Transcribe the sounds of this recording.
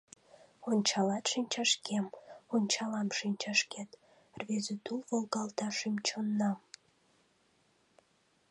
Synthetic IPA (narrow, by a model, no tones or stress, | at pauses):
ont͡ɕʰɑlɑt̪ʂinʲt͡ɕʰɑʂkʲʰemont͡ɕʰɑlɑmʂinʲt͡ɕʰɑʂkʲet̪ | rvʲezyt̪ʰulvolˠɡɑlˠt̪ʰɑʂimt͡ʃʰonːɑm